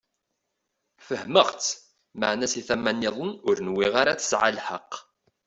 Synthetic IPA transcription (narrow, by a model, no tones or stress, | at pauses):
fəhməʁt͡s | ma̰ʕnæsiθæmːænːɪðˤənʊɾnwiʁaɾat͡sə̥sʕa̰lħə̰qː